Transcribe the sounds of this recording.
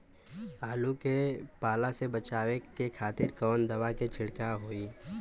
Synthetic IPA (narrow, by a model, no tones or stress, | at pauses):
aːlukepaːlasebɐt͡ʃaːwekekʰaːt̪ɪɾkɔːnd̪ɐʋaket͡ʃʰɪɽkaɦoːiː